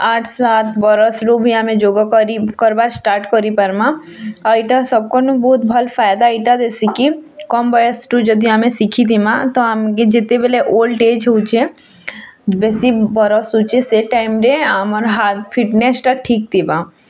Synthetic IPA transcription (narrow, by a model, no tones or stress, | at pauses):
aːʈʰsaːt̪ʰbɔɾɔsʈobʱiamẽd͡ʒoːɡakɔɾikɔɾbaːɾsʈaːɾʈkɔɾipɐɾmã | aiʈasɐb̚konbɔːt̪bʱəlfaːjd̪aiʈad̪eːsikikɔmbɔjəsʈud͡ʒəd̪iamẽsikʰid̪imãt̪oamked͡ʒɪt̪ːebeleʔoːlʈeːd͡ʒuːt͡ʃe | beːsibɔɾɔsut͡ʃeseʈaːɪmɾeaːmɔɾɦaːt̪pʰɪʈnesʈaʈʰiːk̚t̪ʰiba